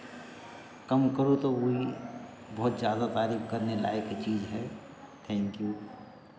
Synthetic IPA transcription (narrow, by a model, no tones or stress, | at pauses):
kəmkəɾut̪ooɦi | bɔːt̪d͡ʒjaːd̪at̪aːɾiːbkəɾnela̰ːeket͡ʃiːd͡ʒɦɛ | t̪ʰɛ̃ːŋkju